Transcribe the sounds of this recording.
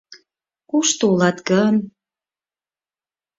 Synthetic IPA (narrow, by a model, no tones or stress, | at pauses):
kuʃt̪uulɑt̪ɡən